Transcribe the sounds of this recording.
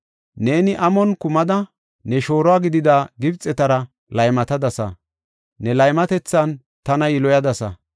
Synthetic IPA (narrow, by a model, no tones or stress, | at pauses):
ne̞ːnɪʔɐmɔnkʊmɐd̪ɐ | nɛʃo̞ːɾɔaːɡɪd̪ɪd̪aɡɪbt͡sʼɛt̪ɐɾɐ | lɐjmɐt̪ɐd̪ɐsɐ̰ | nɛlɐjmɐt̪ɛt͡sːɐn | t̪ɐnɐjɪlɔjɐd̪ɐsɐ̰